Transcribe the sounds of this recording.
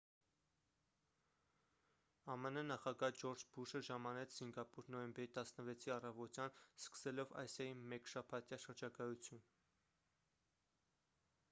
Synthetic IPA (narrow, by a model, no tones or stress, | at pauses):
ɑmənənɑχɑɡɑd͡ʒɔɾd͡ʒbuʃəʒɑmɑnɛt͡sʰz̥iŋɡɑpuɾnɔjɛmbɛɾit̪ɑsnəvɛt͡sʰiɑrɑvɔt̪jɑnskə̥sɛlɔvɑ̰jsjɑjimɛkʃɑpʰɑt̪jɑʃəɾd͡ʒɑkɑjut͡sʰjun